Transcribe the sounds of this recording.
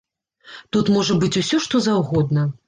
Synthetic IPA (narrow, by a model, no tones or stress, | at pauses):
t̪ut̪mɔʐɐbɨt͡sʲusʲɔʂt̪ɔzawɣɔd̪̚nɐ